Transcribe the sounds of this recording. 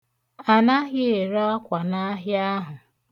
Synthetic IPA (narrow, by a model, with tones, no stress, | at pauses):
a˨na˦ɦɪ˦e˨ɾɔ˦ɔ˦kʷa˨na˦ɦja˦ɦʊ˨